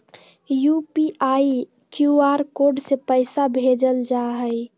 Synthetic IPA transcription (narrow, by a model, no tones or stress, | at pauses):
jupiai | kjuaɾkoɖsepəɪsabʱed͡ʒəld͡ʒaɦəɪ